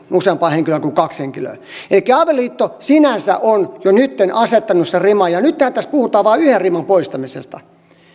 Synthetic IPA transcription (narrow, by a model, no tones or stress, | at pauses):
useɑmpɑːheŋkiløˑkuŋkɑksheŋkilø̰i | elikːæɑʋelːˑiːt̪ːosinænsæ̰ʔonjonyt̪ːenɑset̪ːɑnusserimɑjɑnyt̪t̪æhæt̪æst̪̚puhut̪ɑːʋɑːyherrimɑmpoist̪ɑmisḛst̪ɑ